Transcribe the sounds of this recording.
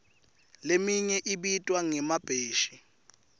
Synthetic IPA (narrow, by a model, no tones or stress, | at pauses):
lemiɲɛʔiɓitʼwaŋɛmab̥ʱeːʃi